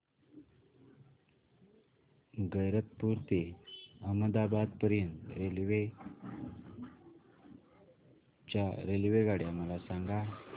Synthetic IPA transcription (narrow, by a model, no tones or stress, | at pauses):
ɡəjɾət̪̚puɾt̪eəməd̪abad̪̚pəɾjənt̪ɾelʋe | t͡ɕaɾelʋeɡaɽjaməlasãŋɡa